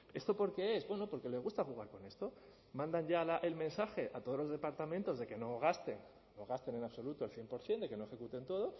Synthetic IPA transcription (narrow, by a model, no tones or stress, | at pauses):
e̞st̪o̞po̞ɾke̞ezbwe̞no̞po̞ɾkele̞zɣust̪axuɣ̞aɾko̞ne̞st̪o̞ | mãnd̪anʝalaʔe̞lmẽ̞nsaxe̞ʔat̪oð̞o̞zlozðe̞paɾt̪amẽ̞nt̪o̞zðe̞ke̞no̞ɣ̞ast̪e̞nː | oɣ̞ast̪e̞ne̞naβso̞lut̪o̞elθje̞mpo̞ɾθje̞nd̪e̞ke̞no̞e̞xekut̪e̞nt̪o̞ð̞o̞